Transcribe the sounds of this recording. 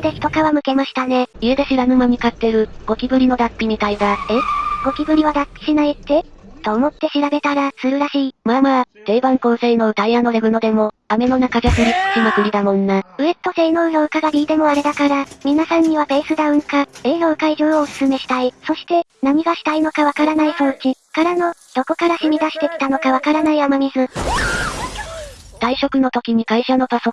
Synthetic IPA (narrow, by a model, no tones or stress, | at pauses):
d̪e̞çi̥t̪o̞kaβamɯ̟ke̞maɕi̥t̪ane̞iɯ̟d̪eɕiɾanɯ̟momʲikat̪ːe̞ɾɯ̟ɡ̥o̞kʲibɯ̟ɾʲino̞d̪apʲːim̟ik̪aiɡaeɡ̥o̞kʲibɯ̟ɾʲiβad̪apʲːi̥ɕinait̪ːe̞t̪o̞ːmo̞t̪ːe̞ɕiɾabe̞t̪aɾasɨɾɯ̟ɾaɕiːmaːmat̪e̞ːbãŋko̞ːse̞ino̞ːt̪aianːo̞ɾebɯ̟no̞d̪e̞mo̞ame̞no̞nakaʑokɯɾi̥ɕimɯkɯ̟ɾʲid̪amõ̞nːaɯ̟e̞t̪ːo̞se̞ːno̞ɯnoɯ̟kaɡaɾʲiːd̪e̞mo̞aɾe̞d̪akaɾamʲinasãɲ̟ːiβabe̞ːsɨd̪aɯ̟̃ŋkae̞ːnoɯ̟kaiʑoːoɯ̟sɨ̥sɨme̞ɕi̥t̪aiso̞ɕi̥t̪e̞naɲ̟iɡaɕi̥t̪aino̞kaβakaɾanaisoːt͡ɕikaɾano̞d̪̥o̞ko̞kaɾaɕimʲid̪aɕi̥t̪e̞kʲi̥t̪ano̞kaβ̞akaɾanaiamaɲʲizɨ | d̪̥aiɕo̞kɯ̟no̞t̪okʲiɲ̟ikaiɕano̞p̪aso